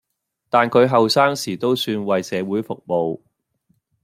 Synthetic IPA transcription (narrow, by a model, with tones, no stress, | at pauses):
t̪aː˨nkʰɵ˨˧ɥɦɐ˨wsaː˥ŋsiː˨˩t̪o˥wsyː˧nwɐ˨jsɛː˨˧wuː˨˥jfʊ˨k̚mo˨w